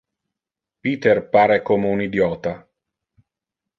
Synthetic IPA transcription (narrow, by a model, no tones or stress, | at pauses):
piːt̪erpaːɾekoːmeunid̪jɔːt̪a